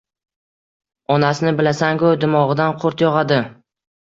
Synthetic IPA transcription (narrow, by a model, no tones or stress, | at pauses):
ɒnasɪnɪbɪlasaŋkod̪ɪmɒʁɨd̪anqʰoɾt̪jɒʁɑd̪ɪ